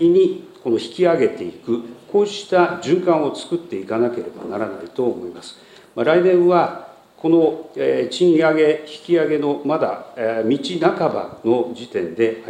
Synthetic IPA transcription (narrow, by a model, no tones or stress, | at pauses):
iɲ̟iko̞no̞çi̥kʲiaɡe̞t̪e̞ikɯ̟ko̞ːɕi̥t̪aʑɨ̃ŋkãɰ̃o̞t͡sɨ̥kɯ̟t̪ːe̞ikanake̞ɾe̞ba̰naɾanait̪o̞ːmo̞imasɨ̥ | maɾainẽ̞ɰ̃βa | ko̞no̞et͡ɕĩɰaɡe̞çi̥kʲiaɡe̞no̞mad̪a̰mʲit͡ɕinakaba̰no̞d͡ʑit̪ẽ̞nd̪e̞ha